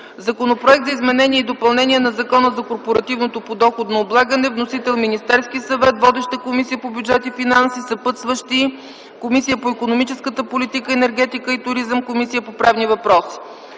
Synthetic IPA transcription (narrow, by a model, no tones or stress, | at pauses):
zɐkonopɾoɛk̚t̪zəizmɛnɛniɛid̪opɐlˠnɛniɛnɐzɐkɔnəzɐkoɾpoɾɐt̪ivnot̪opod̪ɔxod̪nɐoblˠaɡənɛvnosit̪ɛlˠminist̪ɛɾskisɐvɛt̪vɔd̪ɛʃt̪əkomisijəpobʲjud͡ʒɛt̪ifinansisɐpɤt̪svəʃt̪i | komisijəpoipkonomit͡ʃɛskət̪əpolit̪ikəɛnɛɾɡ̟ɛt̪ikəit̪ʊɾizəmkomisijəpopɾavnivɐpɾɔsi̥